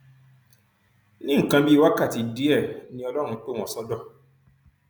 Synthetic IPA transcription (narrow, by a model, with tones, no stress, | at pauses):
nĩ˦ŋ̩˨kã˧bi˦wa˦ka˦˨ti˨di˦ɛ˦˨nĩ˧ɔ˧lɔ˦ɾ̃ũ˧˦k͡po˦w̃ɔ̃˨sɔ˦dɔ˦˨